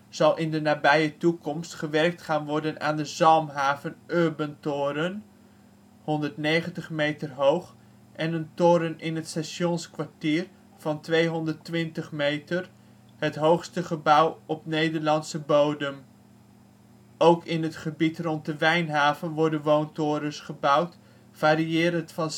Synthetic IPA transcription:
z̥ɑlˠʔɪndənaːbɛjətukɔmstχəʋɛrk̚tχaːnʋɔɹdəna̰ːndəzɑlˠmɦaːvənʔøːɹbəntoːɾən | hɔndəɹtnejχəntəχmejtərɦowχ | ʔɛnəntʊːɾənɪnɦətstaʃɔnskʋaɹtiːr | v̥ɑntʋejɦɔndərtʋɪntəχmejtər | ɦətɦowχstəχəbʌwɔpnejdəɹlɑnsəbowdəm | owkɪnətχəbitrɔnt̚dəʋɛjnɦaːvənʋɔɹdənʋowntʊːɾəsχəbʌwt | faːɾiɪːɾəntfɑn

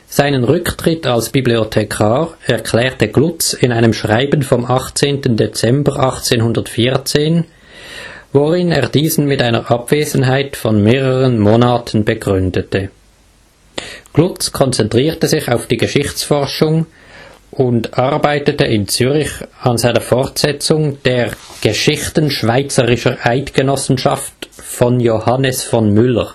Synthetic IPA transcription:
z̥aɪnənʁʏktʁ̥ɪtʰalsb̥ibliotʰekʰaːʁɛɐkʰlɛːʁtəɡ̥lʊt͡sɪnaɪnəmʃʁ̥aɪbənfɔmɑχt͡seːntən̩det͡sɛmbəʁʔɑχt͡seːnhʊndɐtfiːʁt͡seːn | voʁɪneːɐdiːzn̩mɪtaɪnəʁʔɑb̥v̥eːzn̩ɦaɪtfɔnmeːʁəʁənmoːnaːtʰən̩bəɡʁʏndətə | ɡ̥lʊt͡skʰɔnt͡sɛntʁ̥iːʁtəzɪçaʊfd̥iːɡəʃɪçt͡sfɔʁʃʊŋ | ʔʊndɑʁbaɪtətəʔɪnt͡syːʁɪçɑnzaɪnəfɔʁtz̥ɛt͡sʊŋd̥eːʁɡ̥əʃɪxtən̩ʃv̥aɪt͡səʁɪʃəʔaɪtɡ̥ənɔsn̩ʃɑftfɔnjohɑnəsfɔnmʏləʁ

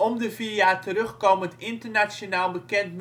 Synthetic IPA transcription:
ɔmdəvijaːtəɾɵχkoːməəntɪntəɹnat͡ʃonaːlˠbəkɛntm

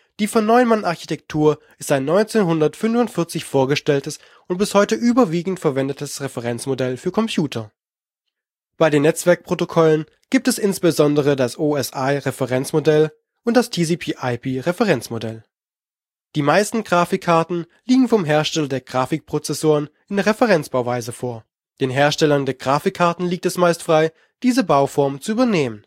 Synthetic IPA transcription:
d̥iːfɔnːɔʏnmanaɐçi̥tʰɛk̚tʰuːɐʔɪstaɪnːɔʏnt͡seːnɦʊndɐtfʏnvʊntfɪɐt͡sɪçfoːɐɡəʃtɛltəs | ʊnt̚b̥ɪshɔʏtəʔyːbɐviːɡŋ̩tfɛɐvɛndətʰəsʁɛfəʁɛnt͡smodɛlfyːɐkʰɔmpʰjuːtʰɐ | b̥aɪdeːnːɛt͡sv̥ɛɐk̚pʁ̥otokʰɔlən | ɡ̥iːp̚tɛsɪnsb̥əzɔndəʁ̞ədasʔoːɛsʔaɪʁefəʁɛnt͡smodɛl | ʔʊntd̥astʰiːziːpʰiːʔaɪpiːʁefəʁɛnt͡smodɛl | d̥iːmaɪstn̩ɡʁaːfɪkʰːaɐtn̩ | liːɡŋ̩fɔmɦeːɐʃtɛlɐdeːɐɡʁaːfɪk̚pʁ̥ot͡sɛsoːʁ̞ənʔɪndɛɐʁɛfəʁɛnt͡sb̥aʊvaɪzəfoːɐ | d̥eːnɦeːɐʃtɛlɐndeːɐɡʁaːfɪkʰːaɐtn̩liːk̚tɛsmaɪstfʁ̥aɪ | d̥iːzəbaʊfɔɐmt͡suyːbɐneːmən

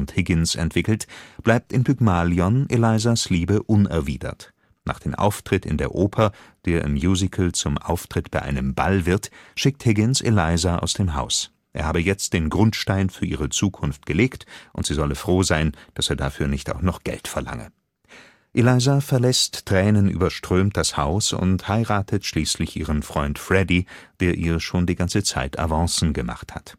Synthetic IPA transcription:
nthɪɡɪnsɛ̰ntv̥ɪkl̩tb̥laɪp̚tɪnpʰykmaːliɔnʔelaɪzasliːbəʔʊnɛɐvḭːdɐ̰t | nʔa̰ːχd̥eːmʔa̰ʊftʁ̥ɪtɪ̰ndeːɐʔoːpʰɐd̥eːɐʔɪ̰mjuːzɪkʰl̩t͡sʊmʔaʊftʁ̥ɪtb̥aɪʔa̰ɪnəmba̰lvɪɐtʃɪk̚thɪɡɪnsḛlaɪzaʔa̰ʊsd̥eːmɦa̰ʊs | ʔḛːɐhaːbəjɛt͡st̚d̥eːnɡʁʊntʃtaɪnfyːɐʔiːʁ̞ət͡suːkʰʊnft̚ɡ̥əleːktʔʊntz̥iːzɔləfʁ̥oːzaɪnd̥aseːɐdafyːɐnɪçta̰ʊxnɔχɡ̥ɛ̰ltfɛɐla̰ŋə̰ | ʔelaɪzafɛɐlɛstʁ̥ɛːnənʔy̰ːbɐʃtʁ̥øːmt̚d̥ashaʊsʊ̰nthaɪʁaːtʰətʃliːslɪçʔiːʁ̞ənfʁ̥ɔʏntfʁ̥ɛdid̥eːɐʔiːɐʃoːndiːɡant͡sət͡sa̰ɪtʰa̰vɑ̃ŋsn̩ɡəma̰χtha̰t

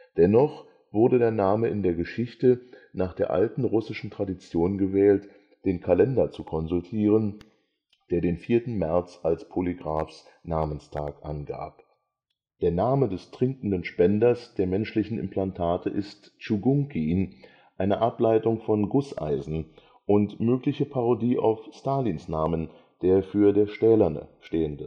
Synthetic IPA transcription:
d̥ɛnɔχ | v̥ʊɐdədeːɐnaːməɪndeːɐɡəʃɪçtə | naːχd̥eːɐʔa̰ltn̩ʁʊsɪʃn̩tʁ̥adit͡sjoːnɡəvɛːlt | d̥eːnkʰalɛndɐt͡sukʰɔnzʊltʰiːʁ̞ən | d̥eːɐdeːnfiːɐtn̩mɛɐt͡salspʰoliɡʁaːfs | naːmənstʰaːkʔanɡa̰ːp̚ | d̥eːɐnaːmədɛstʁ̥ɪŋkn̩dənʃpɛndɐsd̥eːɐmɛnʃlɪçn̩ɪ̰mpʰl̥antʰaːtʰəʔɪst | t͡ʃuɡʊŋkin | ʔaɪnəʔaplaɪtʊŋfɔnɡʊsʔa̰ɪzn̩ | ʔʊntmøːklɪçəpʰaʁodiːʔa̰ʊfstaːlinsnaːmən | d̥eːɐfyːɐdeːɐʃtɛːlɐnə̰ʃteːəndə

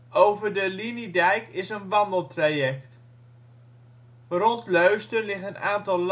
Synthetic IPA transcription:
owvəɹdəlinidɛjkɪsənʋɑndəlˠtrajɛkt | rɔntlœɥstənlɪχənaːntɑlˠl

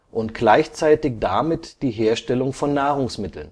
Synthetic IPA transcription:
ʔʊntɡ̥laɪçt͡saɪtɪçd̥amɪtd̥iːɦeːɐʃtɛlʊŋfɔnːaːʁʊŋsmɪtl̩n

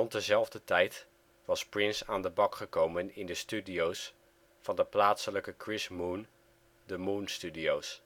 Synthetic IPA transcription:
rɔnt̚dəzɛlˠvdətɛjt | ʋɑsprɪnsaːndəbɑkχəkowmənɪndəstydiows | fɑndəplaːtsələkəkrɪsmun | dəmunstydiows

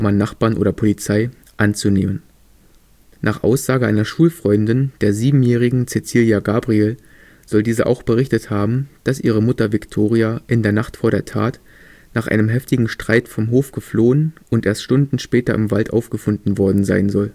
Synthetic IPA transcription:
manːaχb̥aːnʔo̰ːɾɐpʰolit͡saɪ | ʔant͡suneːmən | nʔaːχʔa̰ʊsz̥aːɡəʔa̰ɪnɐʃuːlfʁ̥ɔʏndɪnd̥eːɐziːbm̩jɛːʁ̞ɪɡŋ̩t͡set͡siljaɡaːbʁiel | z̥ɔldiːzəʔa̰ʊxb̥əʁɪçtəthaːbm̩d̥asʔiːʁ̞əmʊtɐvɪktʰoːʁiaʔɪndeːɐnaχtfoːɐɾeːɐtʰaːt | naːχʔa̰ɪnəmɦɛftɪɡŋ̩ʃtʁ̥aɪtfɔmɦoːfɡ̥əfloːənʔʊntʔḛːɐstʃtʊndn̩ʃpɛːtɐʔɪmvaltʔa̰ʊfɡ̥əfʊndn̩vɔɐdn̩za̰ɪnzɔl

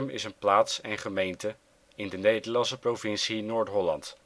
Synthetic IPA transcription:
mɪ̰sənplaːtsɛnχəmejntə | ɪndənejdəlɑnsəprovɪnsinoːɹtɦɔlɑ̰nt

